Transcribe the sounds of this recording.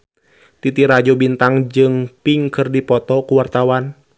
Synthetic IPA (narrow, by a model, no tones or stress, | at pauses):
t̪it̪iɾad͡ʒɔbint̪aŋd͡ʒɨŋpiŋkɨrdipɔt̪ɔkuwart̪awan